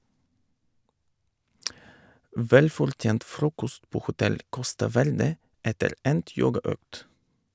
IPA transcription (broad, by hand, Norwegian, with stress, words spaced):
ˈʋɛlfɔɾˌtjeːnt ˈfɾuːkɔst ˈpoː hʊˈtɛl ˈkɔstɑ ˈʋæɾdə ˈɛtəɾ ˈɛnt ˈjoːɡɑˌœkt